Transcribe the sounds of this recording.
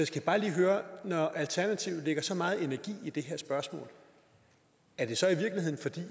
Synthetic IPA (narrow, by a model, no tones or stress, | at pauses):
jasɡ̥æb̥ɑ̈ːliːɦøːɐnɒʔælt͡sʰæɐnæt͡sʰiʊleɡ̥ɐsɒ̽mɑ̈ːð̞̩ˠe̝næɐɡ̥ḭːid̥e̝ɦeɐ̰sb̥ɶɐsmɔ̰̽ːl | æɐd̥e̝sɒ̽iʋiɐɡ̥lihe̝ð̰ˠn̩fɒ̽d̥ḭː